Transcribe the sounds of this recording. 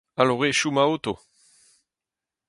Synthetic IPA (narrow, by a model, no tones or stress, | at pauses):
aloʁeʃumaot̪o